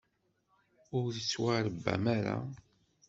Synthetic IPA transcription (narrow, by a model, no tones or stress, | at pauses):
ʊɾθət͡sːwaɾəbːæ̰maɾa̰